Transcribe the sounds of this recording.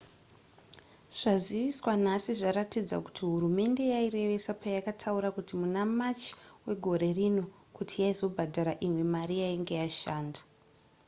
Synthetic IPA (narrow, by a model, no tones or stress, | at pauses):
ʐ̥aziʋiswanasiʐaɾatid͡za̰ku̥tiɦuɾume̞nde̞jaire̞ʋe̞sapajakatʰauɾakutimunamat͡ʃi̥we̞ɡʱo̞ɾe̞rino̞ | kutʰijaizo̞bʱadʱaɾaʔimwe̞maɾijaiŋɡe̞jaʃaːndḁ